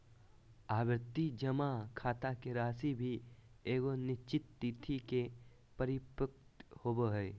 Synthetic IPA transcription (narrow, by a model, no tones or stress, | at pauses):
aːbɾɪt̪ːid͡ʒəmakʰaːt̪akeɾaːsibʱi | eːɡonɪt͡ʃɪt̪ːiːt̪ʰike | pəɾɪpək̚t̪hoːboɦɛː